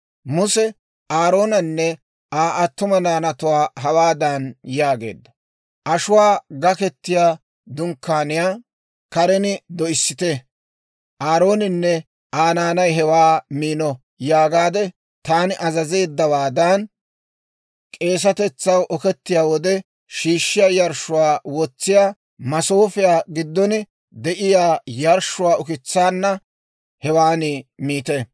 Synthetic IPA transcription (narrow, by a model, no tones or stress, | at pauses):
mʊsɛ | ʔaːɾo̞ːnɐnːɛ | ʔaːʔɐt̪ːʊmɐnaːnɐt̪ʊwaːɦɐwaːd̪anjaːɡe̞̰ːd̪ːɐ | ʔɐʃʊwaːɡɐkɛt̪ːɪjaː | d̪ʊŋkːaːnɪjaː | kɐɾɛnɪd̪ɔʔɪsːɪt̪ɛ | ʔaːɾo̞ːnɪnːɛ | ʔaːnaːnɐjɦɛwaːmiːnɔ | jaːɡaːd̪ɛ | t̪aːnɪʔɐzɐze̞ːd̪ːɐwaːd̪ɐn | kʼe̞ːs̬ɐt̪ɛt͡sːɐwʔɔkɛt̪ːɪjaːwɔd̪ɛ | ʃiːʃːɪjaːjɐɾʃʊwaːwɔt͡sːɪjaː | mɐso̞ːfɪjaːɡɪd̪ːɔnɪ | d̪ɛʔɪjaːjɐɾʃʊwaːʊkɪt͡sːaːnːɐ | hɛwaːnɪmiːt̪ɛ